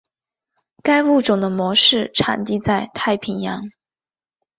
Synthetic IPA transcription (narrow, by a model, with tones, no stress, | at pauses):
ka˥ɪwu˥˩ʈ͡ʂʊ˨˩ŋd̪ə˦mwɔ˧˥ʂɻ̩˥˩ʈ͡ʂʰa̰˨˩nt̪i˥˧t͡sa˥˧ɪt̪ʰa˥˩ɪpʰi˧˥njɑ˧˥ŋ